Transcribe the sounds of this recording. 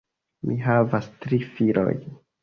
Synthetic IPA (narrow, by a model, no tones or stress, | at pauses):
mʔiɦavastɾifilo̰j